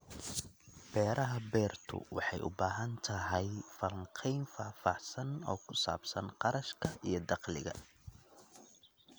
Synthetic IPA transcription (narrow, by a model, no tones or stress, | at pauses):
b̥ɛːɾʔɐɦɐbɛːrt̪ʰʊ̰wɑ̰ħɑjʔʊ̰baːɦɐnt̪ʰɐɦɛjfɐlŋqʰɛjnfaːfɑʕsɐnɔ̰ːkʰʊsa̰ːbsɐnqɑɾɐʃkʰɐʔijɞd̪ɑqlɪɣɐ̰